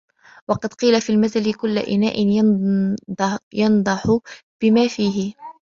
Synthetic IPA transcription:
wɑqɑd̪qiːlafiːlmaθalɪkʊlːaʔɪna̰ːʔɪn | jɑnd̪ˤɑħʊb̥ɪmaːfiːɦɪ

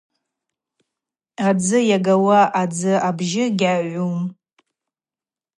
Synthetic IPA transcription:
ad͡zɨjaɡawaʔad͡zɨʔabʒɪɡʲaɥʷum

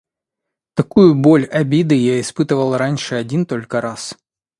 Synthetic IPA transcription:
t̪ɐkujʊbo̞lʲɐbʲid̪ɨjaɪspɨt̪ɨvəlˠranʲʂɨɐdʲint̪o̞lʲkəɾas

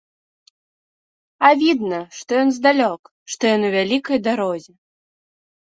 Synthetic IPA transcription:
avʲid̪nɐʂt̪ɔjɔnzd̪alʲɔk | ʂt̪ɔjɔnuvʲalʲikɐjd̪aɾɔzʲɛ

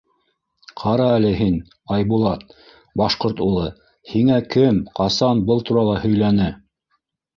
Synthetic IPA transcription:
qʰɑɾɑælɘɦin | ɑjbulˠɑt̪̚ | bɑʃqoɾt̪ulˠɤ | hiŋækɘmqɑsɑnbɤlˠt̪uɾɑlˠɑhɵ̆jlænɘ

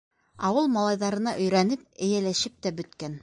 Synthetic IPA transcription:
ɑwɤlˠmɑlˠɑjðɑɾɤ̆nɑʔɵ̆jɾænɘp̚ɘ̆jælæʃɘp̚t̪æbɵ̆t̪kæn

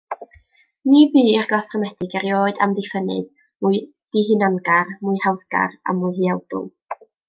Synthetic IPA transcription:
nibiːɪrɡɔθrɔmɛdɪɡɛɾjoːɨdamdɪfənɨ̰ð | muɨ | d̥iɦɨnɔnɡarmuɨhawðɡ̥a̰ra̰mːʊjɦiawd̥ʊ̰lˠ

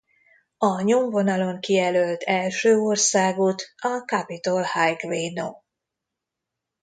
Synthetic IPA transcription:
ɒɲoɱvo̞nɒlo̞ŋkijɛlølt̪ʰɛlʃøːorsaːɡut̪ɒkɑpit̪o̞lhajkveːno

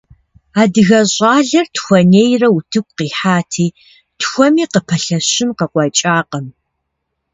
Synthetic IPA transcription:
aːdɨɣɐɕʼɑːɮɐrtxʷɔneːjrɐwutʰɨkʷʼqiːħaːtʰiː | tʰxʷɔmiːqəpʰɐɬɐɕɪnqəqʷɑt͡ʃʼaːqəm

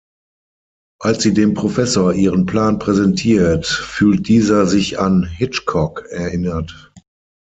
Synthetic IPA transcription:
ʔalsz̥iːdeːmpʁ̥ofɛsoːɐʔiːʁənpl̥aːnpʁ̥ɛzɛntʰiːɐtfyːlt̚d̥iːzɐzɪçanɦɪt͡ʃkʰɔkɛɐʔɪnɐt

